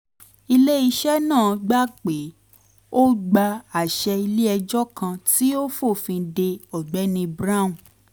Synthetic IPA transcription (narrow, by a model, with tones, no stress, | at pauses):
i˧le˦i˧ʃɛ˦nãː˦˨˧ɡ͡ba˦k͡pe˨˦ | o˦ɡ͡ba˧a˨ʃɛ˧i˧le˦ɛ˧d͡ʒɔ˦kã˧ti˦o˦fo˦˨fĩ˧de˧ɔ˨ɡ͡bɛ˨˦nĩ˧bɾa˦ũ˨